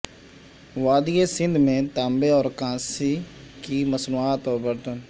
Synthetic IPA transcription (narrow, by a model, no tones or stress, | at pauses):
ʋaːd̪ijesɪ̃nd̪ʱmẽːt̪aːmbeːɔːɾkãːsikiːməsnuaːt̪ɔːɾbəɾd̪ən